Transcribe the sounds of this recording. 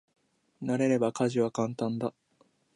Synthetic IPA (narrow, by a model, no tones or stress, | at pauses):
naɾe̞ɾe̞bakaʑiβakãnt̪ãnd̪a